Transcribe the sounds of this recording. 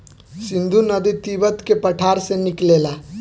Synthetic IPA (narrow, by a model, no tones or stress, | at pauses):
sind̪ʱunəd̪it̪ibət̪kepəʈʰaɾsẽniklela